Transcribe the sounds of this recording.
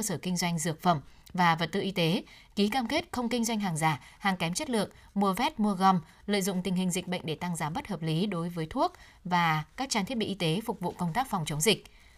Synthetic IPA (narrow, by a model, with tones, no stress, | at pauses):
əː˧səː˧˩kï˧ŋ̟zwa˧jŋ̟zɨ˨˩ək̚fə˧˩m | vaː˨˩və˨˩t̚t̪ɨ̰˧˨ʔi˧t̪e˨˦ | ki˨˦kaː˧mke˦˥t̚xə˧wŋ͡mkï˧ŋ̟zwa˧jŋɦaː˨˩ŋzaː˧˩ | haː˨˩ŋkɛ˨˦mt͡ɕə˦˥t̚lɨ̰˧˨əŋ | mu˧əvɛ˦˥t̚mu˧əɣɔ˧m | lə̰ː˧˨jzʊ̰˧˨ŋ͡mt̪ï˨˩ŋ̟ɦï˨˩ŋ̟zï˨˩k̚ɓə̰˧˨jŋ̟ɗe˧˩t̪a˧ŋzaː˨˦ɓə˦˥t̚həː˨˩p̚li˨˦ɗo˨˦jvəː˨˦jt̪ʰu˦˥ək̚ | vaː˨˩kaː˦˥k̚t͡ɕaː˧nt̪i˦˥əɓḭ˧˨ʔi˧t̪e˨˦fʊ˨˩k͡p̚vṵ˧˨kə˧wŋ͡mt̪aː˦˥k̚fɔ˨˩wŋ͡mt͡ɕə˨˦wŋ͡mzï˨˩k̟̚